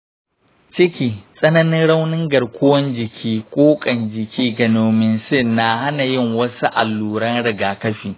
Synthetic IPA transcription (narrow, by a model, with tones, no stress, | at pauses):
t͡ʃɪ˦kʲiː˨sʼɐ˦nɐ˦nɪ˦nɽa˦wnɪ˦ŋɡɐ˨rkʷʊ˦wɐ˦nd͡ʒɪ˨kʲʰiː˦kʷʼoː˦kʼɐ˨nd͡ʒɪ˨kʲʰiː˦ɡɐ˨noː˨mɪ˨nsɪ˦nːa˨ha˦na˨jɪ˦˨ŋwɐ˦su˦ʔa̰˨lːuː˨ɽɐ˦nɽɪ˨ɡaː˨kɐ˦ɸiː˨